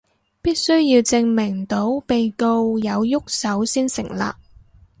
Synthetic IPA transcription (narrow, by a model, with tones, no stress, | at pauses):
piː˥t̚sɵ˥ɥjiː˧wt͡sɪ˧ŋmɪ˨˩ŋt̪o˨˥wpe˨˧jko˧wjɐ˨˧wjʊ˥k̚sɐ˨˥wsiː˥nsɪ̰˨˩ŋla̰ː˨k̚